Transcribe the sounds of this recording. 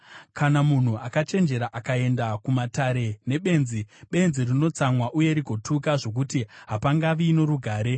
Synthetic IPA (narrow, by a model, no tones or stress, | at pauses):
kanamun̤uʔakat͡ʃe̞nd͡ʒe̞ɾaʔakae̞ndakumataɾe̞ne̞ɓe̞nziɓe̞nzirino̞t͡samwaʔuje̞ɾiɡʱo̞tʰukaʐo̞k̬utiɦapaŋɡaʋiːno̞ɾuɡʱaːɾe̞